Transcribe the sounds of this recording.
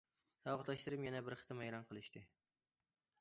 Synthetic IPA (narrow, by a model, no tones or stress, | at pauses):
sɑɒʁt̪lˠaʃt̪ɪɾɪpjanabɪɾχɨ̥t̪ʰɪmajɾɒnqʰɨlˠɪʃt̪ɪ